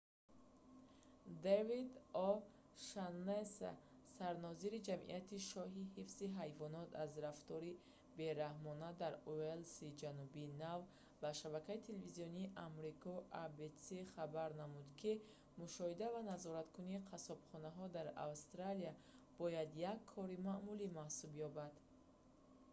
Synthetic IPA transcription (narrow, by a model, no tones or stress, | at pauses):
d̪evid̪ɔ | ʃanːesa̰ | saɾnɔziɾid͡ʒamʔḭʔat̪ʰiʃɔɦihifziɦajvɔnɔt̪ʰazɾaft̪ɔɾi | be̞ɾahmɔnad̪aɾuelsid͡ʒanubiːnav | baʃabakʰait̪ʰelevizijɔniːʔamɾikʰɔʔabet̪siχabaɾnamud̪kʰi | muʃɔhid̪avanazɔɾat̪kʰuniːqʰasɔb̥χɔnaɦɔd̪aɾa̰wst̪ɾaliab̥ɔjad̪jakʰːɔɾimaʔmulimahsubjɔbad̪̥